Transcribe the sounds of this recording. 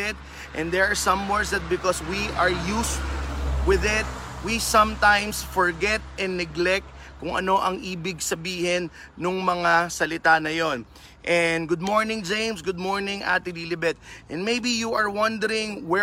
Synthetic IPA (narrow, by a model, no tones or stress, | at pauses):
ɪt̪̚ | ʔɛ̃nd̪ɛɹaɹsɐ̃mwɛɹsd̪ɐt̪̚bɪkɔswiʔɐɹjust̪wɪðɪt̪̚wisɐ̃mt̪ãjmsfɔɹɡɛt̪̚ɛ̃nːɛɡlɛk̚t̪kʊŋʔɐ̰no̞ʔɐŋʔiːbɪɡsɐbiːhɪnː | ʊŋmɐŋasɐlɪt̪anɐjon | ʔɛnɡʊd̪̚moɹnɪ̃ŋd͡ʒẽjmsɡʊd̪̚moɹnɪ̃ŋʔa̰t̪ɪliːlɪbɛt̪̚ʔɛ̃nmejbijuʔɐɹwɐ̃nd̪ɛɾɪ̃ŋwɛ